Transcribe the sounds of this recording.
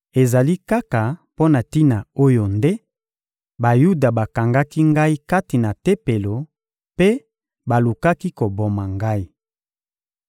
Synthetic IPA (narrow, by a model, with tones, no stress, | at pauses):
e˨za˨li˦ka˦ka˨po˦na˨ti˦na˨o˦jo˨nde˦ | ba˨ju˦da˨ba˨ka˨ŋɡa˦ki˦ŋɡa˦i˦ka˦ti˨na˨te˦pe˨lo˨ | pe˦ | ba˨lu˨ka˦ki˦ko˨bo˨ma˨ŋɡa˦i˦